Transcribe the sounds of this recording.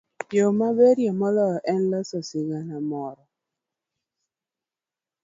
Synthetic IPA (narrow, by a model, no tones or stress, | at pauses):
d͡ʒomabeɾjamɔlɔʔɛnlɔsɔsɪɡanamɔɾɔ